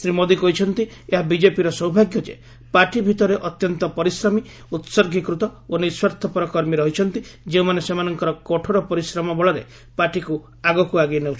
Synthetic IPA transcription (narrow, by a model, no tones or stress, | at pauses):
sɾimod̪ikɔɦit͡ʃʰɔnt̪ieɦabid͡ʒepiɾɔsɔɦwbʱaɡjɔd͡ʒḛ | paʈibʱit̪ɔɾeʔɔt̪jɔnt̪ɔpɔɾisɾɔmi | ut̪sɔɾɡʱikɾut̪ɔoniswɔɾt̪ʰɔpɔɾɔkɔɾmiɾɔɦit͡ʃʰɔnt̪id͡ʒeumanesemanɔŋkɔɾɔkɔʈʰɔɾɔpɔɾisɾɔmɔbɔɭɔɾḛ | paʈiku | aɡɔkuaɡineũt͡ʃ